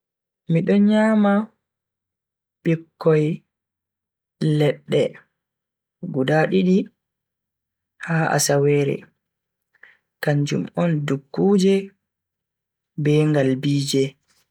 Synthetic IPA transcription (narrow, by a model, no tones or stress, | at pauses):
miɗɔnɲaːma | ɓɛkːɔj | lɛɗːɛ | ɡudaɗiɗi | haːʔa̰sawɛːɾɛ̰ | kaɲd͡ʒṵmɔndukːuːd͡ʒɛ | bɛŋɡalbiːd͡ʒɛ